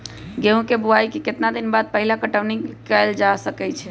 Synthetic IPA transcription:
ɡeũkebuaikiket̪nad̪inbad̪̚pəɦilakəʈəʋnikəld͡ʒasəkɛt͡ʃʰɛ

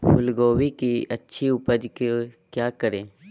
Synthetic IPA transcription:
bʊlɡoːwikiɐtːʃʰiʊpəd͡ʒkekjaːkəɾẽː

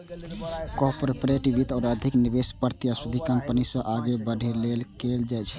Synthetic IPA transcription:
kɔɾpoɾpɾeʈibit̪ɔːɾəd̪ʱiknibespəɾt̪ijasud̪ʱikəmpənisə̃ʔaɡebəɖ̤ʱilelkeld͡ʒaɪt͡ʃʰ

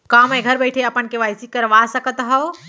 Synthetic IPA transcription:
kaməjɡʱəɾbəɪʈʰeəpənkeʋajsikəɾʋasəkət̪ɦəw

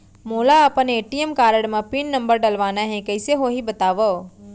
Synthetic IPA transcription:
moːlaːpəneeːʈiemkaːɾəɽmãpiɳːə̃mbəɾɖəlʋanaɦẽkəjseɦoɦibət̪aːʋo

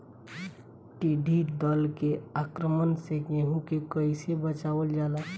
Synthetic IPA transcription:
ʈiɖʱid̪əlkeakɾəmənsekẽɦũkekəjsebət͡ʃaʋəld͡ʒaːla

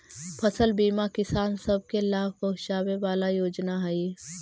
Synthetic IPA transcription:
pʰɐsəlbiːmakɪsaːnsɐb̚ʱkelaːb̚bɐɦʊʃaːweʋaːlajoːd͡ʒnaɦɛi

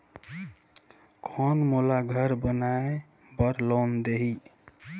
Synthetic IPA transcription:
kʰɔnmolaɡʱəɾbənae | bəɾlond̪eɦi

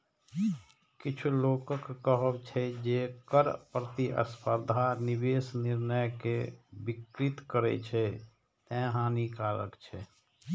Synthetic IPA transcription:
kɪt͡ʃʰuloːkəkːəɦəbt͡ʃʰɛd͡ʒeːkəɾpɾət̪iʔə̰spʰəɾd̪ʱanɪbeːsnɪɾnəjkebɪkɾɪt̪kəɾɛ̰t͡ʃʰɛ | t̪ɛ̃ɦãːnikaːlə̰kt͡ʃʰɛː

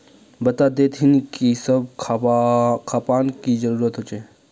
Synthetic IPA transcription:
bət̪ad̪et̪ʰɦinkisəbʰ | kʰaːpaːnkizəɾuːɾət̪ɦot͡ʃe

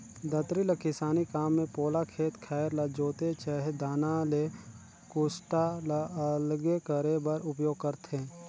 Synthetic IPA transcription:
d̪ət̪ɾilekɪsaːnikaːmːẽpoːlakʰeːt̪kʰɛːɾlad͡ʒoːt̪et͡ʃaɦed̪aːnale | kʊsʈalaəlɡekəɾebəɾʊpjoːɡ̚kəɾt̪ʰeː

